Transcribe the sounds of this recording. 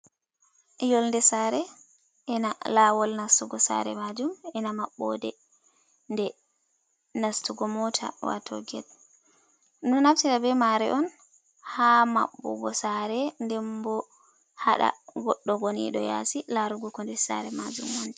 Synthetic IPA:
jɔlndɛsaːɾɛ | ʔɛnalawɔlnastuɡɔsa̰ɾɛ̰mad͡ʒumɛnamaɓːɔ̰dɛ | ndɛ | nastuɡɔmɔtʰa̰wa̰tʰo̰ɡɛt | nunaftiɾabɛmaɾɛʔɔn | hama̰ɓːɔ̰ɡɔsaɾɛndɛmbɔ | haɗa̰ɡɔɗːɔɡonḭɗɔ̰ja̰silaɾuɡukɔndɛsa̰ɾɛmad͡ʒumhɔnd͡ʒɛ

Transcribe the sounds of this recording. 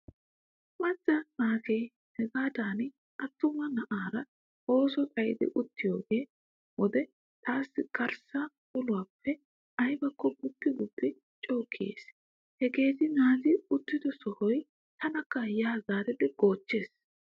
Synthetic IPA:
mɐt͡sʼːɐnaːkej | hɛɡaːd̪aːn | ʔɐt̪ːʊmɐnɐʔaːɾɐ | o̞ːsɔtʼɐjɪd̪ɪ̰ʔʊt̪ːɪjoːɡeː | wɔd̪ɛ | t̪ʰaːsːɪkʰɐɾsa | ʊlʊwaːpːɛ | ɐjbɐkːɔbʊpːɪɡʊbːɪ | t͡ʃʼo̞ːkʰːɪjḛːs | hɛɡe̞ːt̪ɪnaːzɪʊt̪ːɪd̪ɔsɔhɔj | t̪ʰɐnɐkːɐjaːzaːt̪ɪd̪ɪɡ̥oːt͡ʃːe̞ːs

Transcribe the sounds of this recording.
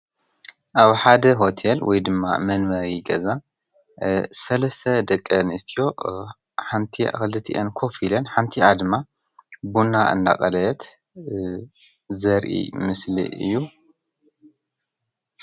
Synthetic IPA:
ʔaβħad̪ɐɦo̞t̪ʰelwʔɔ̰jd̪ɨmːa̰mɐnmɐɾiɡɐza | sɐlɐst̪ʰɐd̪ɐkʼːɐnɨst̪ʰijo̞ | ħant̪ʰia̰xɨlɨt̪ʰiʔɐnkʰo̞filɐnħant̪ʰiʔad̪ɨmːa | bunːaʔɨ̰nd̪a̰kʼɐlɐt̪ | zɐɾʔḭmɨslḭʔɨ̰jːu

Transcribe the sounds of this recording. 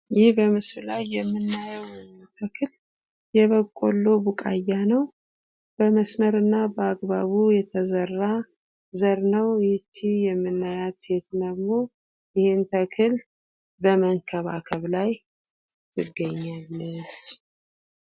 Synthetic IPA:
jɪhbəmɨsɾlajːɛmːɨnːajəw | t̪ʰəkʰɨl | jɛβəkʼːo̞lːo̞bukʼajːanəw | b̥əməsməɾɨnːabəaɡbaβujɛt̪ʰəzərːa | zəɾnəwjɪt͡ʃːijɛmːɨnːajat̪et̪nəɡmo | jɪhent̪ʰəkʰɨl | bəməŋkʰəβa̰kʰəβlaj | t̪ʰɨɡəɲːalːɨt͡ʃː

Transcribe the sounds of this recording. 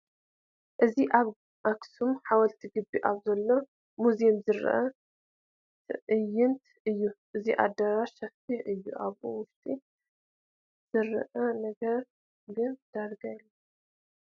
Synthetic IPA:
ʔɨziʔaβ | ʔaksumħawɐlt̪ʰiɡɨbːiʔaβzɐlːo̞ | muzimzɨɾ̰ʔɐ | t̪ʰɨʔɨjːɪnt̪ | ɨjːuʔɨziʔa̰d̪ɐɾaʃɐft̪ʰiʔɨjːṵʔaβʔuwʊɾt̪ʼi | z̥ɨɾʔɐnɐɡɐɾ | ɡɨnd̪̥aɾɡajlːɐ

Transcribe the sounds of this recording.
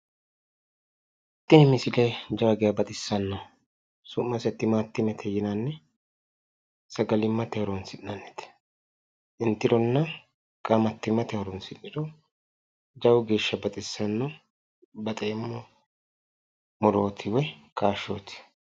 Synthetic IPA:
ɪt̪ːɪnɪmɪsɪled͡ʒɐwɐɡɪjabɐt̪ʼɪsːɐnːɐ | sʊmːɐsɛt̪ːɪmat̪ːɪmɛt̪ʰɛjɪnɐnːɛ | sɐɡɐlɪmːɐt̪ɛhɐɾɔnsɪnːɐnːɛt̪ɛ̥ | ʔɪnt̪ːɪd̪ɔnːɐ | kʼɐmɐt̪ːɪmɐt̪ɛhɐɾɔnsɪnːɪd̪ɔ | d͡ʒɐwɡe̞ːʃːɐbɐt̪ʼɪsːɐnːɔ | bɐt̪ʼeːmːɔ | mɔɾoːt̪ʰɪwɛkʰaːʃːoːt̪ɪ̥

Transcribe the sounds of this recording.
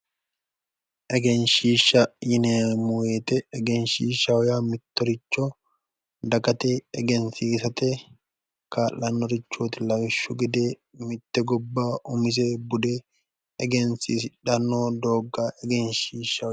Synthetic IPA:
ʔɛɡɛnʃiːʃɐjɪneːmʊweːt̪ɛɛɡɛnʃiːʃɐwɔjaːmɪt̪ːɔɾɪt͡ʃːɔ | d̪ɐkɐt̪eːɛɡɛnsiːsɐt̪eː | kaːlɐnːɔɾɪt͡ʃːoːt̪ɪlɐwɪʃːʊɡɪd̪eː | mɪt̪ːɛɡɔbːaːʔʊmɪs̬eːbʊd̪eː | ɛɡɛnsiːsᶑɐnːoːd̪oːɡːaːʔɛɡɛnʃiːʃɐ

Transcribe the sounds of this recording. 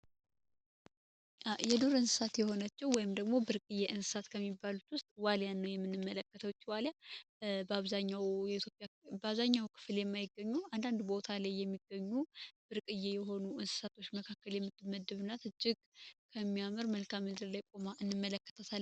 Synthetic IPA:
ʔajɛd̪oɾɨnsɨ̥sat̪jɛho̞nat͡ʃːɛwwɔjɪmd̪əɡmo̞bɨɾkʼɨjːeʔɨnsɨ̥sat̪kʰəmːibːalut̪wʊst̪ʼwaljanːəwjɛmːɨnːɨmːələkːət̪ʰəwt͡ʃːiwalja | bəaβzaɲːawjɛit̪ʰjo̞pʼjabəaβzaɲːawkʰɨ̥fljɛmːajɪɡːəɲːuand̪and̪bo̞t̪ʰalajːɛmːiɡ̥ːəɲːub̥ɨɾkʼɨjːejɛɦo̞nuʔɨnsɨ̥sat̪ʰo̞t͡ʃːməkʰakːəljɛmːɨt̪ːɨmːəd̪ːɨβɨnːat̪ɨd͡ʒɪɡ̥kʰəmːijamɨɾməlkʰamːɨd̪ɨɾlajkʼo̞maʔɨnːɨmːələkːə̥t̪ʰəsal

